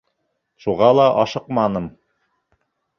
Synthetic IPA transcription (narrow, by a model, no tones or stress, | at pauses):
ʃuʁɑlˠɑʔɑʃɤqmɑnɤm